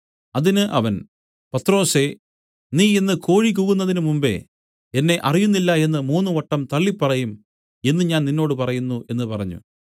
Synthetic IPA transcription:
ɐðinɨʔɐ̰ʋɐn | pɐt̪ːro̞ːse̞ | niːinːɨko̞ːɻikuːɣunːɐðinumumbe̞̰ | enːe̞ʔɐrijunːilːɐe̞nːɨmuːnːuʋɐʈːɐmt̪ɐɭːipːɐrɐjum | e̞nːɨɲaːnninːo̞ːɽɨpɐrɐjunːuʔe̞nːɨpɐrɐɲːṵ

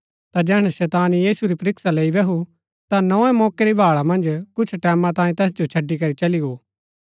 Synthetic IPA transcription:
t̪ad͡ʒɛːɽ̃ɛsɛːt̪aːnjiːsuɾipɐɾɪksaleːibɛɦu | t̪anɔ̃ːɛ̃mɔːkeɾibʱaːɭamɐ̃nd͡ʒkʊt͡ʃʰʈɛːmãt̪aːĩt̪ɛːs̬d͡ʒot͡ʃʰɐɖːikɐɾit͡ʃɐliɡoː

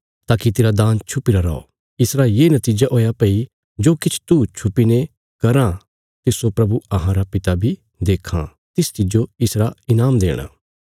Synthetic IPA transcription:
t̪aːkit̪eːɾad̪ãːnt͡ʃʰʊpiɾaɾɔ̰o̰ː | ɪsɾajeːnɐt̪iːd͡ʒaʔoːjapɐi | d͡ʒoːkɪt͡ʃʰt̪ut͡ʃʰʊpine | kɐɾã | t̪ɪsopɾɐbuɐɦãɾapɪt̪abʱi | d̪eːkʰã̰ | t̪ɪst͡ʃɪd͡ʒoɪsɾaɪnaːmd̪eːɽ̃a̰ː

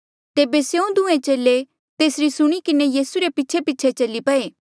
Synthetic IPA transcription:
t̪eːbesjeũd̪ʊ̃ẽt͡ʃeːle | t̪eːsɾisʊɽ̃ikɪnejiːsuɾepɪtːt͡ʃʰepɪtːt͡ʃʰet͡ʃɐlːipɐeː

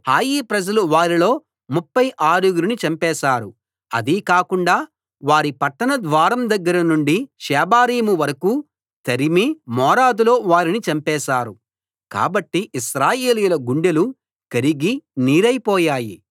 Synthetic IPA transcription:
haːjiːpɾɐd͡ʒɐluʋaːɾilo̞ː | mupːɐjʔaːɾuɡuɾinit͡ʃɐmpɛːʃaːɾu | ɐ̰d̪ikaːkuɳɖaː | ʋaːɾipɐʈːɐnɐd̪ʋaːɾɐmd̪ɐɡːɐɾɐnuɳɖiʃɛːbaːɾiːmuʋɐɾɐkuː | t̪ɐɾimimɔːɾaːd̪ulo̞ːʋaːɾinit͡ʃɐmpɛːsaːɾu | ka̰ːbɐʈːiʔːʃɾaːjeːlijulɐɡuɳɖelu | kɐɾiɡiniːɾɐjpɔːjaːji

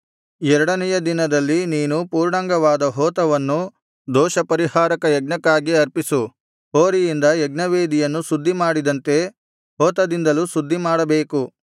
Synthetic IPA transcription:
ɛɾɐɽɐnɛjɐd̪inɐd̪ɐlːiniːnupuːɾɳɐŋɡɐʋaːd̪ɐɦɔːt̪ɐʋɐnːu | d̪ɔːʃɐpɐɾihaːɾɐkɐjɛɡnɐkaːɡiɐɾpisu | ɦoːɾijind̪ɐjɛɡnɐʋeːd̪ijɐnːusud̪ʱːimaːɽid̪ɐnt̪e̞ | ɦɔːt̪ɐd̪ind̪ɐlusud̪ʱːimaːɽɐbe̞ːku

